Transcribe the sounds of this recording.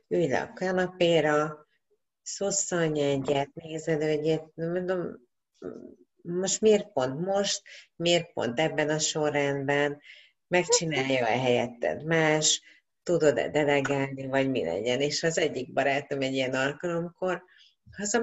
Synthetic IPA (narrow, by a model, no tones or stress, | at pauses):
yjlɒ̰kkɒnɒpeːɾɒ | soːsːɒlɲɛɲːɛt̪neːzɛd̪øɛɟenmond̪om | mo̞ʃt̪meːrpo̞nt̪mo̞ʃt̪meːrpo̰nt̪ɛbːɛnɒʃo̞rːɛnbɛn | mɛkt͡ʃinaːjːɒɛɦɛjɛt̪ːɛ̰d̪maːʃ | t̪ud̪o̞d̪ɛ̰d̪ɛlɛɡaːlnivɒɟmḭlɛ̰ɟɛneːʃɒzɛɟːiɡ̚bɒɾaːt̪o̞mɛɟiɛnɒlkɒlo̞mko̞r | hɒzɛ